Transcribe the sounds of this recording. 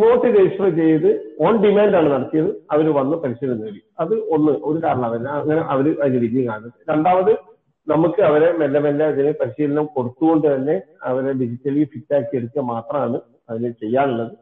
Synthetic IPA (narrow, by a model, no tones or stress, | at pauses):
moːt̪ːid̪eːɕɐɐlet͡ɕe̞jːɐðɨoːɳɖimaːndaːɳɨnɐɽɐt̪ːijɐðɨɐʋɐɾɨʋɐnːɨpɐɾisilunːɐʋɐɽiɐðɨo̞nːɨʔo̞ɾukaːɾɐɳɐːʋɐnːɐɐŋːɐne̞ʔɐʋɐɾɨʔɐðinːɨɾiːðijɐŋkaːɳnːɐðɨɾe̞ɳɖaːmɐðɨ | nɐmukːɨɐʋɐɾe̞melːɐmelːɐɐðinɨpɐɾiɕijlnɐmko̞ɽut̪ːuɣo̞ɳɖɨt̪ɐnːe̞ɐʋɐɾe̞ɖid͡ʑitːɐlifitːaːkːieɽuk̪ːɐmaːt̪rɐmaːɳɨ | ɐðinet͡ɕe̞jːaːɳulːɐðɨ